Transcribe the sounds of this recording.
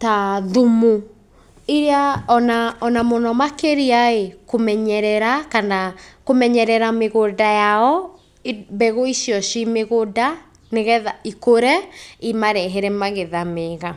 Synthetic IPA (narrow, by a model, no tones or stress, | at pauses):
taðumu | iɾeaɔnaɔnamɔnɔmakeɾiaekomɛɲɛɾɛɾakanakomɛɲɛɾɛɾameɣodajaɔ | bɛɣoiʃiɔʃimeɣoda | neɣɛðaikoɾɛimaɾɛɦɛɾɛmaɣeðameɣa